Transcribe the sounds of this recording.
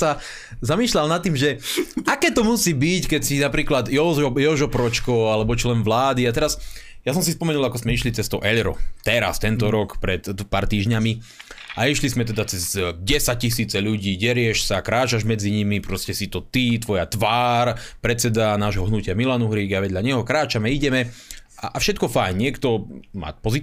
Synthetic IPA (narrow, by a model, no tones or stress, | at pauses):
sa | zamiːʃlalnat̪ːiːmʒɛakɛːt̪ɔmusiːbickɛcsinapɾiːklad̪jɔjɔʒɔpɾɔt͡ʃkɔalɛbɔt͡ʃilɛnʋlaːd̪iat̪ɛɾasjasɔmsispɔmɛnulˠakɔszmɛiʃlit͡sɛst̪ɔʊʔɛʎɾɔ̰t̪ɛɾa̰st̪ɛnt̪ɔɾɔkpɾɛt̪paːɾt̪iːʒɲami | ʔaiʃlizmɛt̪̬ɛd̪at͡sɛzɟɛsac̚cisiːt͡sɛʎuɟiːɟɛɾɪɛʃsakɾaːt͡ʃaʒmɛd͡ziɲimipɾɔscɛsit̪ɔt̪it̪ʋɔjat̪ʋaːɾpɾɛt͡sːɛd̪anaːʒɦɔɦnucɪamilanuɦɾiːɡaʋɛd̪ʎaɲɛɦɔkɾaːt͡ʃamɛiɟɛmɛaʔafʃɛt̪̚kɔfajɲɲɪɛkt̪ɔma̰ːpɔzi